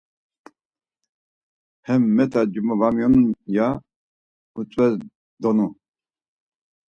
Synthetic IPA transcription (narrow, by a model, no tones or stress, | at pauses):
hɛmːɛt̪ʰad͡ʒumɔvamjɔnuja | ut͡sʼwɛ | d̪ɔnu